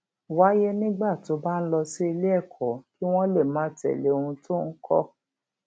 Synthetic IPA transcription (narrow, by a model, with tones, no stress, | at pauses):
wa˨˦je˦nĩ˦ɡ͡ba˦˨to˨˧˦ba˦n̩˦lɔ˧si˦i˧le˦ɛ˦˨kʰɔ˨˦ki˦w̃ɔ̃˦le˦˨mãː˨˦tɛ̰˨le˨˦o˧ũ˧to˦n̩˦kʰɔ̰˦